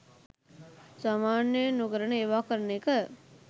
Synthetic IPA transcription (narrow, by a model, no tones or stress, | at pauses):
samaːnənukəɾəɳəeʋaːkəɾənekə